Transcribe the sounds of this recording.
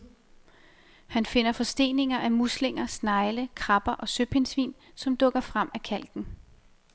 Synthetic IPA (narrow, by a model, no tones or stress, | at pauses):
hænfe̝n̰ɐfɒ̽sd̥e̝̰ːne̝ŋɐʔæmusle̝ŋ̰ɐsnɑ̈ɪləkʰʁɑb̥ɐʔɒ̽søb̥he̝nsʋḭːn | sɒ̽md̥ɔ̽ɡ̥ɐfʁam̰ækʰæl̰ɡ̥n̩